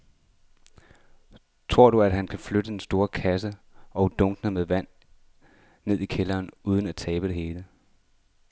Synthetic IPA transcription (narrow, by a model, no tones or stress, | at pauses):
t͡sʰʁo̝ɐ̰dɾuæd̥ɦænkʰæfløɾ̥əd̥ensd̥o̝ːɐkʰæsəʔɒ̽ʊd̥ɔ̽ŋɡ̥nəmeðˠʋæn̰ | e̝ð̞̰ˠikʰelɐːnuːð̞ˠənæt͡sʰɛːb̥ədɾ̥e̝he̝ːlə